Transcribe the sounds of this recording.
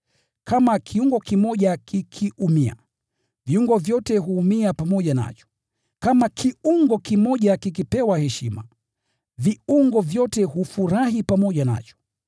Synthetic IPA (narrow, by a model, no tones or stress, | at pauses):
kamakʰiuŋɡɔkimɔʄakikʰiʔumia̰ | viuŋɡɔvjɔtɛɦuːmiapamɔʄana̰t͡ʃɔ̥ | kamakʰiuŋɡɔkimɔʄakikipɛwahɛʃima | viuŋɡɔvjɔtɛhufuɾahipamɔʄana̰t͡ʃɔ̥